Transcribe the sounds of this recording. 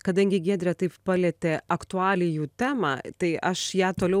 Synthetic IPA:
kɐd̪ɐŋʲɡʲɪɡʲiːd̪ʲɾʲɛt̪ɐɪppɐlʲɛːt̪ʲeːɐkt̪ʊɑːlʲɪjuːt̪ʲæːmɑ̰ːt̪ɐɪʔɐʃjæːt̪oːlʲɛʊ

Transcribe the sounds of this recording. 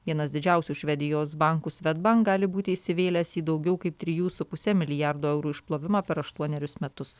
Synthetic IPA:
ʋʲiɛnɐsd̪ʲɪd͡ʒʲɛˑʊsʲuːʃʲʋʲɛd̪ʲɪjoːs̬bɑˑŋkusʲʋʲɛd̪bɐŋkɡɑːlʲɪbuːt̪ʲɪːsʲɪʋʲeːlʲɛsiːd̪ɒʊɡʲɛʊkɐɪp̚t̪ʲɾʲɪjuːsʊpʊsʲɛmʲɪlʲɪjɑɾd̪oːɛʊɾuːɪʃplˠoːʋʲɪmɑːpʲɛɾɐʃt̪uɔnʲɛɾʲʊsmʲɛt̪ʊs

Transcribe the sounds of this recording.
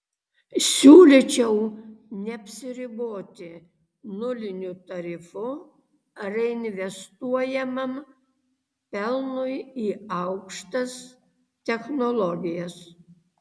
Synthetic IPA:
sʲuːlʲit͡ʃʲɛʊ | nʲɛɐpʲsʲɪɾʲɪboːt̪ʲɪ | nʊlʲɪnʲʊt̪ɐɾʲɪfʊ | ɾɛɪnʲʋʲɛst̪uɔjɛmɐm | pʲɛlˠnʊjiːɐʊkʃt̪ɐs | t̪ʲɛxnɔlˠɔɡʲɪjɛs

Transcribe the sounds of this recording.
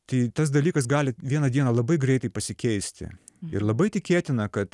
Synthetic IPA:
t̪ɐɪt̪ɐs̬d̪ɐlʲiːkɐs̬ɡɑːlʲɪʋʲiɛnɐd̪ʲiɛnɐlˠɐbɐɪɡɾʲɛɪt̪ɐɪpɐsʲɪkʲɛɪsʲt̪ʲɪ̰ | ɪ̰ɾlˠɐbɐɪt̪ʲɪkʲeːt̪ʲɪnɐkɐt̪

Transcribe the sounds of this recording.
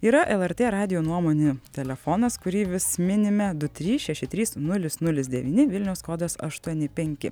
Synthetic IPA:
iːɾɐʔɛlˠɛɾʲt̪ʲeːɾɑːd̪ʲɪjoːnuɔmoːnʲet̪ʲɛlʲɛfonɐskʊɾʲiːʋʲɪsmʲɪnʲɪmʲɛd̪ʊt̪ʲɾʲiːʃʲɛʃʲɪt̪ʲɾʲiːsnʊlʲɪsnʊlʲɪsd̪ʲɛʋʲiːnʲɪʋʲɪlʲnʲɛʊskoːd̪osɐ̰ʃt̪uɔnʲɪpʲɛŋʲkʲɪ̰

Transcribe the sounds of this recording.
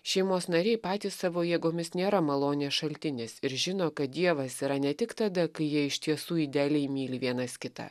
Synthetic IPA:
ʃʲɛɪmoːsnɐɾʲɛɪpɑːt̪ʲiːssɑʋoːjeːɡoːmʲɪsnʲeːɾɐmɐlˠoːnʲeːsʃɐlʲt̪ʲɪnʲeːsɪɾʒʲɪnoːkɐt̪̚d̪ʲiɛʋɐsiːɾɐnʲɛt̪ʲɪkt̪ɑd̪ɐkɐɪjiɛɪʃʲt̪ʲiɛsuːiːd̪ʲæːlʲɛɪmʲiːlʲɪʋʲiɛnɐskʲɪt̪ɑ̰

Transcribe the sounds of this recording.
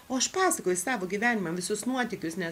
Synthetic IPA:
oːɐʃpɑːsɐkoːjʊsɑːʋoːɡʲiːʋʲæːnʲɪmɐʋʲɪsʊsnuɔt̪ʲɪkʲʊsnʲɛ

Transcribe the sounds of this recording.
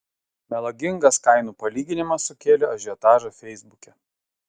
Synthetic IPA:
mʲɛlˠɐɡʲɪŋɡɐskɐɪnuːpɐlʲiːɡʲɪnʲɪmɐsːʊkʲeːlʲɛɐʒʲɪɛt̪ɑːʒɐfʲɛɪzbʊkʲɛ

